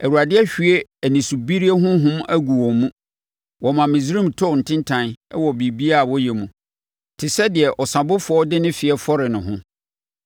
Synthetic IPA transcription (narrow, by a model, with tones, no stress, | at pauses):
æ˨wu˨ɾa˨dɪ˦ɛ˦ɕᶣi˨e˦æ˨nĩ˨su˨bi˦ɾi˦e˦ɦʊ̃˦ɦʊ̃˦mæ˦ɡu˨wɔ˨mũ˦ | wɔ˨mã˨mĩ˨zɾĩ˦˨mtʰʊ˦˨n̩˨tʰɪ̃˦ntʰã˦nɛ˦wɔ˨bi˨bi˦a˦˨wɔ˦jɛ˨mũ˨ | tʰɪ˨sɛ˦dɪ˨ɛ˨ʔɔ˨sã˨bʊ˦fʊ˨ɔ˦dɪ˦nʊ̃˦fɪ˨ɛ˦fɔ˦ɾɪ˨nʊ̃˨ɦʊ̃˦